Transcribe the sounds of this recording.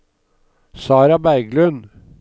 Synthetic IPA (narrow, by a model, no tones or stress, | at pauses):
sɑːɾɑbæɪɡlʉn